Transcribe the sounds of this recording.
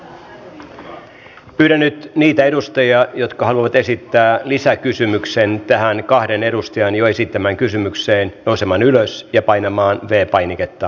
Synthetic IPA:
pyːɾænːyt̪niːt̪æe̞dust̪ɑjɑjo̞t̪kɑɦhɑluɑʋɑt̪e̞sit̪ːæːlisækysymykse̞nt̪æɦænkɑhde̞ne̞ɾust̪ɑjɑnjoe̞sit̪ːæmæːŋkysymykseːnnousemɑːnyløsjɑpɑjnɑmɑːnʋe̞ːpɑjnike̞t̪ːɑ

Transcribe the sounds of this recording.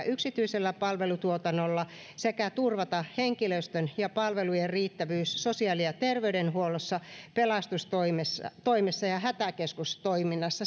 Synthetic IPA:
ʔyksit̪yiselːæpɑlʋelut̪uot̪ɑnːolːɑ | sekæt̪urʋɑt̪ɑheŋkiløst̪ønjɑpɑlʋelujerriːt̪ːæʋyːsːosiɑːliɑt̪erʋeydenhuolosːɑpelɑst̪ust̪oimesɑ̰t̪oimesːɑjɑhæt̪ækeskust̪oiminːɑsːɑ

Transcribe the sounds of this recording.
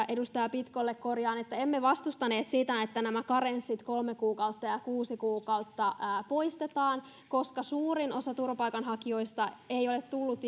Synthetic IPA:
ʔedust̪ɑjɑpit̪kolːekkorjɑːnet̪ːæemːeʋɑst̪ust̪ɑne̞ːt̪sit̪æet̪ːænæmækɑrensːit̪kolmekuːkɑut̪ːɑjɑkuːsikuːkɑut̪ːɑːpo̞ist̪et̪ɑːn | ko̞skɑsuːrinʔo̞sɑt̪urʋɑpɑikɑnɦɑkio̞ist̪ɑeio̞let̪t̪ulːut̪

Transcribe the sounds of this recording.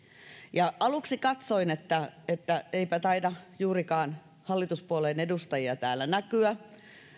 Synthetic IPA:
jɑʔɑluksikɑt̪soinet̪ːæet̪ːæeipæt̪ɑidɑjuːrikɑːn | hɑlːit̪uspuolenedust̪ɑjiɑt̪æːlːˑænækyæ

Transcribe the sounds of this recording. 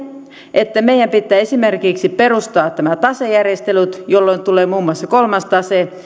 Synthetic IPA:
ʔet̪ːæmeijæmpit̪ːæːesimerkiksiperust̪ɑːtt̪æmæt̪ɑsejærjest̪elut̪jolːoint̪uleːmuːmːuɑsːɑkolmɑst̪ɑse

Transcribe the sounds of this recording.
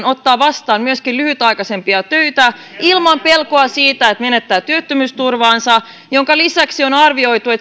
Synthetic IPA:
no̞t̪ːɑːʋɑst̪ɑːmmyøskilyhyt̪ɑjkɑse̞mpiɑt̪øyt̪æ | ilmɑmpelkoɑsiːt̪æet̪menet̪ːæːt̪yøt̪ːømyst̪urʋɑːnsɑ | joŋkɑlisæksionɑrʋio̞jt̪ue̞t̪

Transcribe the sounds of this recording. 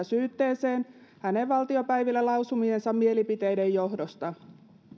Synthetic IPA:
syːt̪ːe̞ːseːn | hæne̞ʋʋːɑlt̪io̞pæjʋilːælɑwsumie̞nsɑmmie̞lipit̪e̞jde̞jːo̞ɦdost̪ɑ

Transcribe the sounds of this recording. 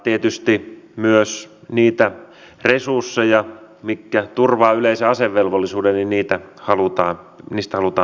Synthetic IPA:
t̪iet̪yst̪imyøs | niːt̪æ | resursːejɑ | mikːæt̪urʋɑːyleiseɑseʋːelʋolːisuːdenninniːt̪æhɑlut̪ɑː | niːst̪æhɑlut̪ɑː

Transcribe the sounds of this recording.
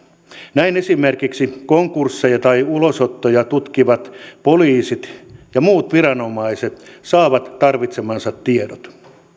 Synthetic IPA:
næinesimerkiksikoŋkursːejɑt̪ɑiulosot̪ːojɑt̪ut̪kiʋɑt̪poliːsit̪jɑmuːt̪ʋirɑno̞mɑiset̪sɑːʋɑt̪tɑrʋit̪semɑnsɑt̪tiedot̪

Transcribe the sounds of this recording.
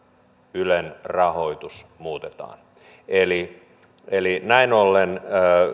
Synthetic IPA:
ylenrɑhoit̪usmuːt̪et̪ɑ̰ːn | eli | elinæinolːenː

